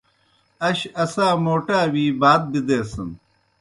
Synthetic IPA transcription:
ɐɕɐsaːmoːʈaːwiːbaːt̪̚bid̪eːsɐn

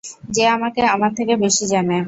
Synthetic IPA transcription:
d͡ʑeamakeamaɾt̪ʰekebeʃid͡ʑane

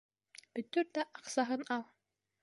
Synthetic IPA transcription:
b̥ɵ̆t̪ɵɾt̪æʔɑqsɑɦɤnɑlˠ

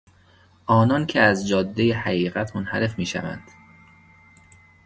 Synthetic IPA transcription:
ʔɒːnɒːncʰeæzd͡ʒɒːd̪ːejehæɣiːɣæt̪ʰmonhæɾe̞fmiːʃæ̰væ̰nd̪̥

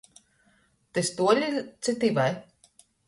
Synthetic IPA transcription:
t̪ɨst̪uɔlʲit̪sɨt̪ivaj

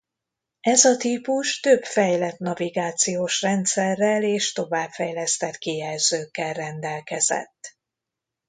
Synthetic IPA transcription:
ɛzɒt̪iːpuʃt̪ø̞bfɛjlɛt̪nɒviɡaːt̪sijoːʃrɛnt̪sɛrːɛleːʃt̪o̞vaːpfɛjlɛst̪ɛt̪kijɛlzøːkːɛlrɛnd̪ɛlkɛzɛ̰t̪ː

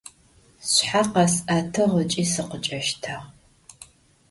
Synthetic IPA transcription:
sħaqɑsʔatʰɐʁət͡ʃʼiːsɨqət͡ʃʼɐʃtʰaʁ

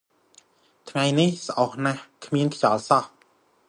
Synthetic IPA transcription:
t̪ʰŋajnihsʔɑhnahkʰmiənkʰt͡ɕɑːlsɑh

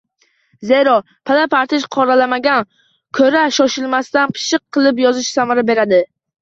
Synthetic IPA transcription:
ze̞ɾɒ | pʰalapʰaɾt̪ʰɪʃqʰɒɾalamaɡʲan | kʲʰɵɾaʃɒʃɪlˠmast̪anpʰɪ̥ʃɨqʰːɨlˠɪp̬jɒzɪʃsamaɾabe̞ɾad̪ɪ

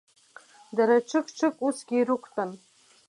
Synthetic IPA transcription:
daɾaʈ͡ʂʰɨkʼʈ͡ʂʰɨkʼusɡʲiːɾukʷʰtʼan

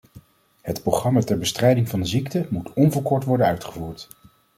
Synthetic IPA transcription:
hətproχrɑmatɛɹbəstrɛjdɪŋvɑndəziktəmutɔnvɔɹkɔɹtʋɔɹdənœɥtχəvuːɹt

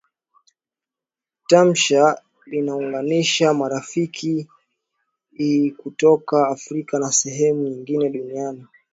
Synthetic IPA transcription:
tam̩ʃa | linauŋɡaniʃamaɾafikʰi | ikutɔkaːfɾikanasɛɦɛmuɲiŋɡinɛɗuniani

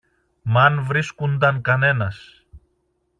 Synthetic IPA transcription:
mɐnvɾiskund̪ɐŋkɐne̞nɐs

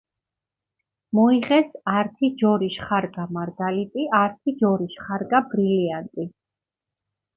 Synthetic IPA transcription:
mɔiʁɛsaɾt̪ʰid͡ʒɔɾiʃχaɾɡamaɾɡalit̪ʼiaɾt̪ʰid͡ʒɔɾiʃχaɾɡabɾiliant̪ʼi

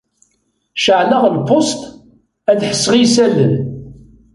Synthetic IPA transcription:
ʃəʕləʁlpost̪ | æðħə̥sːʁisælən

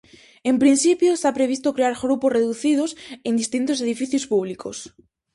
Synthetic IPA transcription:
empɾin̟sipjoest̪apɾeβ̞ist̪okɾeaɾɣɾuposreðuθiðosend̪ist̪int̪oseðifiθjospuβliko̰s

